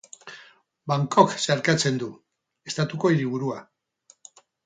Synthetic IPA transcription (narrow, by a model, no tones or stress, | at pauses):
baŋko̞kseaɾkat͡se̞nd̪u | e̞st̪at̪uko̞iɾiβ̞uɾua